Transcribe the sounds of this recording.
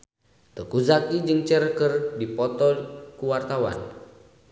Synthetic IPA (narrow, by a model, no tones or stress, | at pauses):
t̪əkuzakid͡ʒɨŋt͡ʃərkərdipɔt̪ɔkuwart̪awa̰n